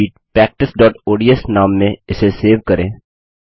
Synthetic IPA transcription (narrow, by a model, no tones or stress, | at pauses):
iːʈ̚pɾɛːk̚ʈɪsɖɔːʈoːɖiːɛsnaːmːẽɪseseːʋkəɾẽː